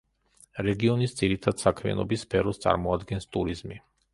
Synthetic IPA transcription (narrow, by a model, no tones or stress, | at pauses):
ɾɛɡiɔnisd̪ziɾit̪ʰad̪̥sakʰmia̰nɔbisːpʰɛɾɔst̪sʼa̰ɾmɔad̪ɡɛnst̪ʼuɾizmi